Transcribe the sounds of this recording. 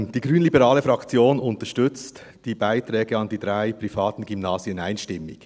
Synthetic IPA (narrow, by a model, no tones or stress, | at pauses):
d̥iːɡʁyːnlibəʁaːləfɾɑkt͡sjoːnʊntəʃtʏt͡st | d̥iːbaɪtrɛːɡəɑndiːdʁaɪpʁifaːtn̩ɡymnaːziənaɪnʃtɪmːɪç